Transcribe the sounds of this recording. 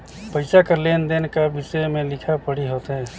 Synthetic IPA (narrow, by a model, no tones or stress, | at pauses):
pəɪsakəɾlend̪enkabisəmẽlɪkʰapəɽiɦot̪ɦɛ̃ː